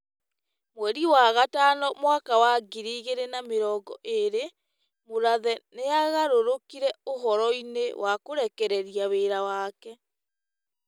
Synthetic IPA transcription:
mwɛɾiwaɣataːnɔmwakawaɡiɾiːɣeɾenameɾɔːɡɔ̰ʔeɾe | moɾaðɛneaɣaɾoɾokiɾɛoɦɔɾɔinḛwakoɾɛkɛɾɛɾiaβeːɾawaːkɛ

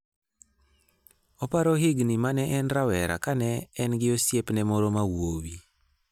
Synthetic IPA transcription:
ɔpaɾoɦɪɡnimanɛʔɛnɾawɛɾa̰kanɛːnɡɪosjepnɛmɔɾomawowi

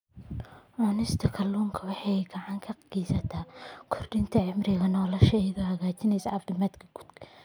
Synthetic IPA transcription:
ʕɔnɪst̪ʰɐkʰɐlːuːŋkʰɐwɑħɑjɡɑʕɑŋkʰɐɡijsɐt̪ʰaːkʰɔrɖɪnt̪ʰɐʕɪmrɪɣɐnɔːlɔʃɐðɔhɐɣaːt͡ʃɪnɛjsɐʔɐft̪ʰɔmaːt̪kʰɐɡ̥u̥d̪kʰɐ

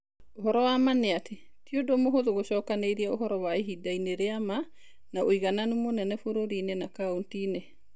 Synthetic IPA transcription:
oɦɔɾɔwamaneatʰe | tiodomoɦoðoɣoɕɔːkaneiɾiaoɦɔɾɔwaeɦidaineɾeama | naoiɣananumonɛnɛfoɾoɾinenakauntiːne

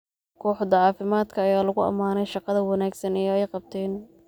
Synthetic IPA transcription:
kʰɔːħd̪ɐʕɑːfɪmaːd̪kʰɐːjaːlɐɣʊɐ̰maːnɛjʃɑqɑðɐwɑnaːɡsɐnɛjɛjqɑb̚t̪ʰɛːn

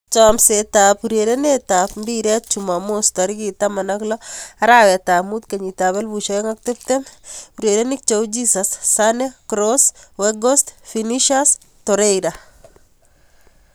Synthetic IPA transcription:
t͡ʃɔmsetapuɾeɾenetapmbiɾɛt̚t͡ʃumamost̪aɾikitamanaklɔaɾawɛt̪amut̪kaɲitaβɛlbuʃɔɛŋak̚tep̚t̪ɛmuɾjeɾenik̚t͡ʃowd͡ʒisasːanekɾoswɛɡɔstfiniʃas | tɔɾejɾa

